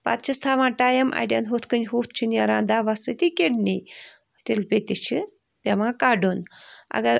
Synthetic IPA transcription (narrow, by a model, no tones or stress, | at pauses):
pa̰t̪̚t͡ʃʰist̪ʰaːʋãːʈaːjɐmʔa̰ɖʲa̰nɦot̪ʰkɨnɦoːt̪̚ʰt͡ʃʰinʲaɾãːnd̪aːʋasɨt̪ikeɖni | t̪ʲelpʲet̪ʲit͡ʃʰi | pʲeʋãːkaːɖonɐ̰ɡɐɾ